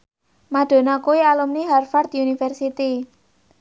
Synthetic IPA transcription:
maɖ̪̥o̤nakuwialumniɦarfard̪iunifɛrsit̪i

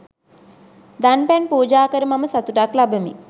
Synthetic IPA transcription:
d̪anpɛnpuːd͡ʒaːkəɾəmaməsat̪uʈaklabəmḭ

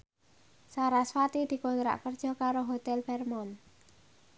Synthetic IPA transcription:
saɾasfat̪id̪̥i̤kɔnt̪ɾa̰ʔkərd̥ʒ̥ɔ̤kaɾoɦot̪ɛlbɛrmɔn

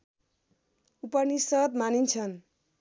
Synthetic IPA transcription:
upʌnisʌt̪manint͡sʰʌn

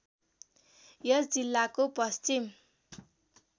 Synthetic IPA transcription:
jʌsd͡zilːakopʌst͡sim

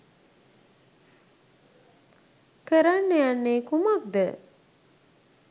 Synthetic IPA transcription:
kəɾanːejanːeːkumak̚d̪ə

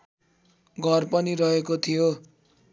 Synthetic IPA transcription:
ɡʱʌrpʌniɾʌɦekot̪ʰijo

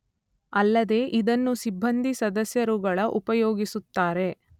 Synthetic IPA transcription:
ɐlːɐd̪e̞ːʔid̪ɐnːusibʱːɐnd̪ʱisɐd̪ɐsjɐɾuɡɐɭɐʔupɐjoːɡisut̪ːaːɾe̞

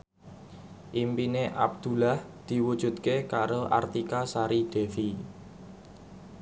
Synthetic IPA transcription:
ʔimpineʔab̚d̪̥ṳlahd̪̥i̤wud̥ʒ̥ṳt̪̚kekaɾoʔa̰rt̪ikasaɾid̥e̤fi

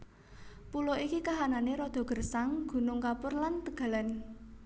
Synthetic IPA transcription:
puloʔikikaɦananeɾɔd̪̥ɔ̤ɡ̥ə̤rsaŋɡ̥ṳnʊŋkapʊrlant̪əɡ̥ä̤lan

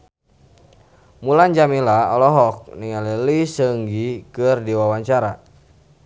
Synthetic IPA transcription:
mulaɲd͡ʒamilaɔlɔɦɔk̚niŋalilisəŋɡikɨrdiwawaɲt͡ʃaɾa̰

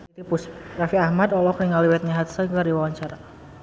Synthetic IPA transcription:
t̪ipusrafiahmad̪ɔlɔkniŋaliwɛt̪̚ɲaɦat̪səɡaɾiwawaɲt͡ʃaɾa

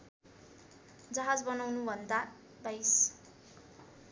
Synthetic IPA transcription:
d͡zʌɦad͡zbʌnawnubʱʌnd̪a | bajs

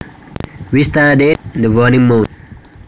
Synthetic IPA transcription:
wist̪adẽnd̪əvɔnĩŋmũn

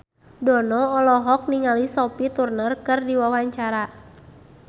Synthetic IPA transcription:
dɔnɔɔlɔɦɔk̚niŋalisɔpit̪urnərkɨrdiwawaɲt͡ʃaɾa

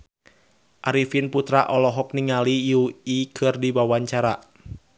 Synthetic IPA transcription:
ʔaɾifinput̪ɾaʔɔlɔɦɔk̚niŋalijuikʰɨrdiwawaɲt͡ʃaɾa

